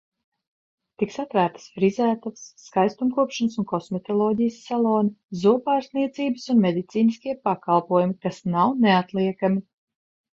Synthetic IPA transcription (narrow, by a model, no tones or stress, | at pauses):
t̪iksat̪væːɾt̪ə̥sfɾizæːt̪asːkajst̪umkuɔpʃanəsunkɔsmɛt̪ɔlˠɔːɟijəsːalˠɔːnizuɔpaːɾsniɛt̪siːbəsunmed̪it̪siːniskʲiɛpakalˠpuɔjumikasnawneat̪lˠiɛkami